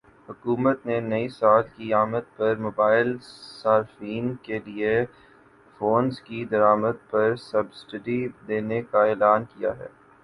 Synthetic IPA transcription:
hʊkuːmət̪nenɐisaːlkiaːməd̪̚pɐɾmoːbaːɪlsaːɾfiːnkelie | foːnzkid̪ɐɾaːməd̪̚pɐɾsɐbsʈəɖid̪eːnekaɛːlaːnkija̰ɦɛ̰ː

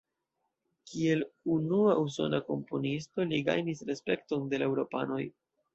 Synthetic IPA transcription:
kie̞lunuaus̬o̞̰nako̞mpo̞nisto̞liɡa̰jnisɾe̞spe̞kto̞nde̞lewɾo̞pa̰no̞j

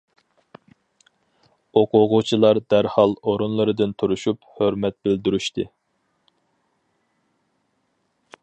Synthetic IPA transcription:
oqʰʊʁʊt͡ʃʰilˠɑɾd̪æɾhɑlˠoɾunlˠɨɾɨd̪ɨnt̪ʰuɾuʃuphøɾmɛt̪̚bɪld̪yɾyʃt̪ɨ

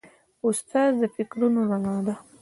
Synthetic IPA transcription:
ʊst̪ɑzd̪əfɪkɾunolanɑd̪a

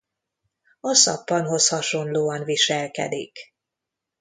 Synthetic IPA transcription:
ɒsɒ̰pːɒnɦo̞shɒʃo̞nloːɒnviʃɛlkɛ̰d̪ḭk

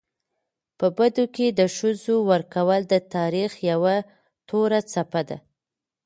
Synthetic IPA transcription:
pəbad̪oked̪əʃəzowəɾkawəld̪ət̪ɑɾixjawa | t̪ʰoɾat͡sapad̪a̰

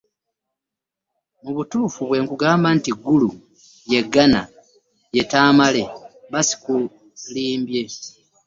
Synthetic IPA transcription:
muβutuːfuβwe̞ːŋkuɡaːmbantiɡːulu | je̞ɡːana | je̞taːmale̞βasi̥ku | liːmbje̞

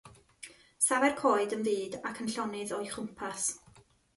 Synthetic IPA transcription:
savɛrkʰɔːɨdənviːdakʰənɬɔnɪðɔɨχʊmpʰas

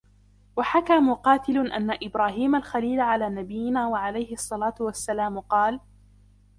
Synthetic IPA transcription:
waħakaːmʊqɑːt̪ɪlʊʔa̰nːaʔɪbɾaːɦiːmalxaliːlʕalaːnabɪjːɪnaːwaʕalajhɪʔɑsˤːɑlaːt̪ʊwasːalaːmʊqɑːl

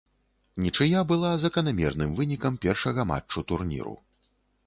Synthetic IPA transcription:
nʲit͡ʂɨjabɨlˠazɐkɐnamʲɛrnɨmvɨnʲikɐmpʲɛrʂɐɣɐma̰t͡ʂt͡ʂːut̪urnʲḭɾṵ

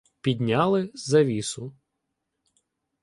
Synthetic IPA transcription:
pʲid̪ʲnʲɑlˠɪzɐʋʲisʊ

